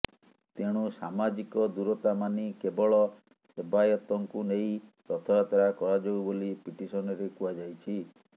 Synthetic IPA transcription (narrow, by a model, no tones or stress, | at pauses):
t̪eɽ̃usamad͡ʒikɔd̪uɾɔt̪amanikebɔɭɔ | hebajɔt̪ɔŋkunej̃pɾɔt̪ʰɔɾat̪aɾakɔɾad͡ʒoubolipiʈisɔnɔɾekuad͡ʒajt͡ʃʰi